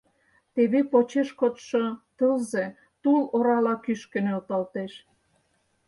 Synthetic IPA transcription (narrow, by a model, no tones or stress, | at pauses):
t̪eβepot͡ɕeʃkot̪ʃot̪əlze | t̪uloɾɑlɑkyʃkə̆nølt̪ɑlt̪eʃ